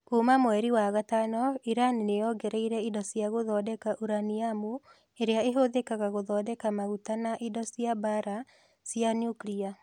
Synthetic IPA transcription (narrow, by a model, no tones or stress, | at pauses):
kuːmamwɛɾiwaɣatanɔiɾaninejɔɡɛɾɛiɾɛidɔsjaɣoðɔːdɛkaʔuɾaniamu | eɾeaeɦoðekaɣaɣoðɔːdɛkamaɣutanaʔidɔsijabaɾa | sjanjuklia